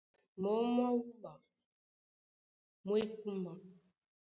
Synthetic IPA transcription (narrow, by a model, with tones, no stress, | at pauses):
mo˨˦m˦ɔ˦wu˦ba˨ | mwe˦ku˦ma˨